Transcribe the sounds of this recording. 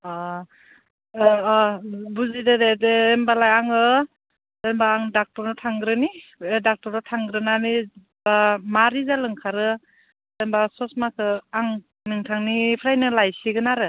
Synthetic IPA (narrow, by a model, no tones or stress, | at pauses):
a | buzidededeːmbalajaŋɯ | dembaːŋdak̚tɔɾnɯtʰaŋɡɾɯniedak̚tɔɾnɯtʰaŋɡɾɯnani | bamaɾizalɯŋkʰaɾɯ | dembasɔsmakʰɯaŋ | nɯŋtʰaŋnipʰɾajnɯlajsiɡɯnaɾɯ